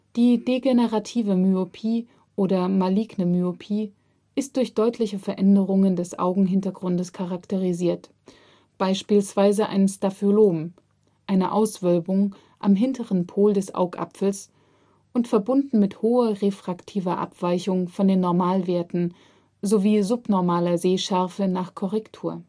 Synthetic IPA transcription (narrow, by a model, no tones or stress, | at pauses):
d̥iːdeɡenəʁatʰiːvəmyopʰiː | ʔoːdɐmaliːɡnəmyopʰiː | ʔɪst̚d̥ʊɐçd̥ɔʏtʰlɪçəfɛɐʔɛndəʁ̞ʊŋəndɛsʔa̰ʊɡŋ̩ɦɪntɐɡʁʊndəskʰaʁaktəʁ̞iziːɐt | b̥aɪʃpiːlsv̥aɪzəʔa̰ɪnənstafoloːm | ʔaɪnəʔa̰ʊsv̥œlbʊŋ | ʔa̰mɦɪntʰəʁənpʰoːldɛsʔa̰ʊkʔa̰pfl̩s | ʔʊntfɛɐbʊndn̩mɪthoːɐʁefʁ̥aktʰiːvɐʔa̰pv̥aɪçʊŋfɔndeːnːɔɐmaːlveːɐtn̩ | zoviːzʊpnɔɐmaːlɐzeːʃɛɐfənaːχkʰɔʁɛktʰuːɐ